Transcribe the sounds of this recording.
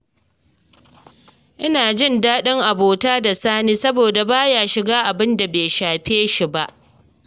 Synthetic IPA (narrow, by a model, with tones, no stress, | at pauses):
ʔɪ˦naː˨d͡ʒɪ˦˨ndaː˦ɗɪ˦ŋʔa˨boː˨taː˦da˨saː˦niː˦sɐ˦boː˨da˨baː˦jaː˨ʃɪ˨ɡaː˦ʔa˨bɪ˦nda˨beː˨ʃaː˨ɸeː˦ʃi˦ba˦ʔ